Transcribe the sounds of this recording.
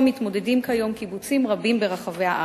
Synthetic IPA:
mitmo̞dedimkajo̞mkibut͡simʁabimbeʁaχaveaʔa

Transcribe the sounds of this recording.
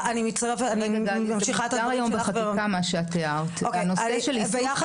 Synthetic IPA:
animit͡stɐʁefanimamʃiχaetaaʁajombeχatkamaʃeat̪eaʁtokaejnoaeʃelibejjaχ

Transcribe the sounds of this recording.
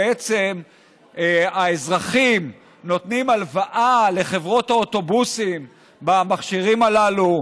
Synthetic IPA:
et͡sem | aezʁaχim | no̞t̪nimalvaʔale̞χe̞vʁo̞t̪aot̪o̞busim | bamaχʃiʁimalalu

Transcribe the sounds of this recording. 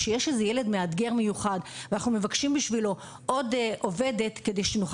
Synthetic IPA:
ʃejeʃezejele̞d̪mead̪ɡe̞ʁmejuχadvanaχnume̞vakʃimbiʃvilo̞ | ʔo̞dʔovede̞t̪ked̪e̞jʃenuχ

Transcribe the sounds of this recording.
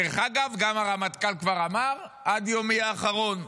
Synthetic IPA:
eχaɡavɡamaʁamat̪kalkvaʁamaʁʔad̪jomiaːχaʁo̞n

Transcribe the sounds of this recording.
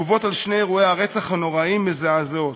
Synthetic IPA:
uvo̞talʃnejeʁuehaʁet͡saχhano̞ʁaimbezeazot

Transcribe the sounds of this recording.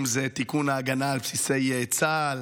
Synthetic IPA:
mzet̪ikunaːɡanaːlpsise̞jeːt͡sal

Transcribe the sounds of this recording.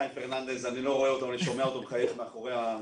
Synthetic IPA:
jfeʁnand̪e̞zanilo̞ʁoeot̪amleʃo̞me̞aot̪obχajetmeaχoʁea

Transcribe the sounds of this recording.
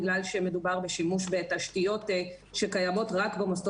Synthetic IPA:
ɡlalʃeme̞dubaʁbe̞ʃimuʃbe̞taʃtijo̞te | ʃekajamo̞tʁakbemoso

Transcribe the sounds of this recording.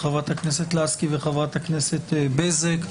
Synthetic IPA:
χavʁat̪hakneset̪laskiveχavʁat̪hakneset̪ebezek

